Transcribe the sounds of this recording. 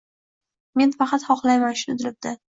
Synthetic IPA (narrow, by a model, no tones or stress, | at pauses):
me̞nfɑqɑt̪hɒqlˠajmanʃɪnɪd̪ɪlɪb̚d̪̥ɪ